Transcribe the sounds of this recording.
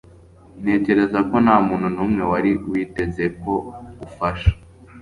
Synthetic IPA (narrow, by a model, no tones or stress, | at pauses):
ne̞ːce̞ɾe̞zako̞naːmuːnun̥umŋe̞waɾiwiːte̞ze̞ko̞ufaʃḁ